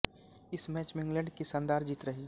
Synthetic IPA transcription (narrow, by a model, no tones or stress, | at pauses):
ɪsmɛːt͡ʃmẽɪ̃ŋɡlə̃ɳɖkisɐ̃nd̪aːɾd͡ʒiːt̪ɾɐɦiː